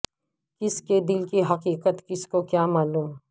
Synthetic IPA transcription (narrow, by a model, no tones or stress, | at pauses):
kɪsked̪ɪlkiɦɐqiːqət̪kɪskokjaːmaːluːm